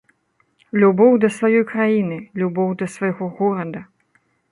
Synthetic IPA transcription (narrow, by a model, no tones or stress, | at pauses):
lʲubɔwd̪ɐsvajɔjkɾajinɨlʲubɔwd̪ɐsvajɣɔɣɔɾɐd̪ɐ